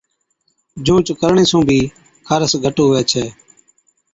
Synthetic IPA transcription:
d͡ʒũːt͡ʃkəɾɳeːsũːbʱiː | kʰəɾəsɡʱəʈoːɦʋɛːt͡ʃʰɛː

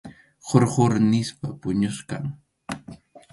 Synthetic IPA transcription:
χoɾχʊɾnɪspapʊɲʊskaŋ

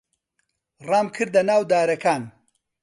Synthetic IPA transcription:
rɑːmkʰɨɾd̪ɐnaːwd̪aːɾɐkaːn

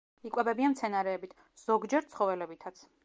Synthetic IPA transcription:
ikʼwɛbɛbianmt̪sʰɛnaɾɛːbit̪ʰ | z̥ɔɡd͡ʒɛɾt̪sʰχɔvɛlɛbit̪ʰat̪sʰ

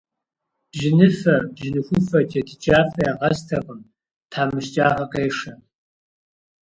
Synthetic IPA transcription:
b̥ʒɪnɨfɐbʒɪnɨxʷʊfɐt͡ʃʼɐtʰɨt͡ʃʼaːfɐjaʁɐztʰɐpʼɨm | tʰaːmɨʃt͡ʃʼaːʁɐkʼeːʂɐ

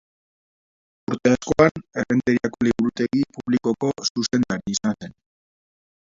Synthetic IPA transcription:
uɾt̪e̞asko̞anerent̪eɾiako̞liβɾut̪e̞ɣipuβliko̞ko̞suse̞nd̪aɾiːsanse̞n

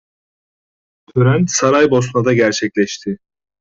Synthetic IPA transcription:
t̪ʰøɾænsaɾajbo̞st̪mad̪aɟæɾt͡ʃʰɛclʲɛʃt̪ʰɪ

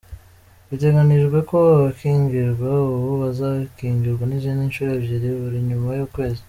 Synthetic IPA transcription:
βite̞ɡaniʒɡwe̞ko̞ββakiːŋɡiɾɡwaβoβazaβkiːŋɡiɾɡwanizininʃuːɾeβɟiɾiβuɾiɲumajuːkwe̞ːzi

